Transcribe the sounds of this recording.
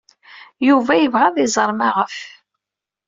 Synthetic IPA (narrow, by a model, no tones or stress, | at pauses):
juvæjəvʁæðˤɪzˤəɾˤmaʁəf